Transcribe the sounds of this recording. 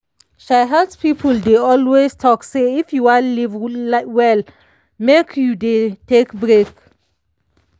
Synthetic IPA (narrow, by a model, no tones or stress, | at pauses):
ʃaɪɦadspipʰəldeɔlwestʰɔkseifjuwanlivwɛl | mekʰjudetekbɹek